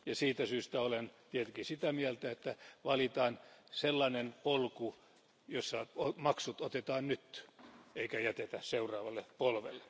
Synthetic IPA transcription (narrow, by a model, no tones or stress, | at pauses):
jɑsiːt̪æsyːst̪æolent̪iet̪eŋkisit̪æmiælt̪æet̪ːæʋɑlit̪ɑːnselːɑnenpolku | josːɑomɑksut̪ot̪et̪ɑːnnyt̪eikæjæt̪et̪æseurɑːʋɑlːepolʋḛlːee